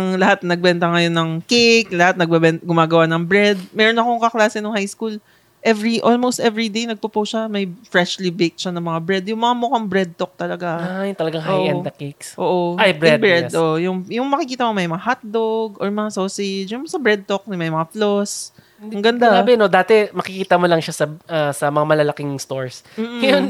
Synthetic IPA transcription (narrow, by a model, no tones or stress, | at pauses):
ʔɐŋlɐhat̪̚nɐɡ̚bɛnt̪ɐŋɐjo̞nːɐŋkek̚lɐhat̪̚nɐɡ̚bɛbɛnt̪ɐɡʊmaːɡɐwanɐŋbɹɛd̪̚mɛːɾonːɐkoŋkɐklaːsɛnʊŋhajskul | ʔɛvɹiʔolmowst̪ʔɛvɹid̪ejnɐɡ̚popowsʃamɐjfɹɛʃlibek̚t͡ʃanɐŋmɐŋabɹɛd̪̚jʊŋmɐŋamokɐŋbɹɛd̪̚t̪ok̚t̪ɐlɐɡajʊŋt̪ɐlɐɡaŋɦoʔɐnd̪ɐkeksʔoːʔoajbɾɛdbɛʔoʔjʊŋjʊŋmɐkɪkiːt̪ɐmomɐjmɐŋahat̪̚d̪oɡʔoɹmɐŋasoːsɪd͡ʒjʊŋmsɐbɹɛd̪̚t̪ok̚nɪmɐjmɐŋaflos | ɐŋɡɐnd̪aaːbɪnod̪aːt̪ɛmɐkɪkiːt̪ɐmolɐŋʃasɐasɐmɐŋamɐlɐlɐkɪŋst̪oɹsm̩ːjon